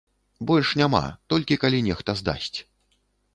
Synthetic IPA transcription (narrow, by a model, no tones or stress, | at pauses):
bɔlʲʂnʲama̰t̪ɔlʲkʲikalʲinʲɛxt̪ɐzd̪a̰sʲt͡sʲ